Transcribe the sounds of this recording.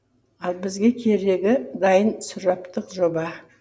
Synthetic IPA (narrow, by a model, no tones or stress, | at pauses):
ɑlˠbɪzɡʲe̞kʲʰe̞ɾe̞ɡʲɪd̪ɑjənsʊɾɑpt̪əqʒo̞bɑ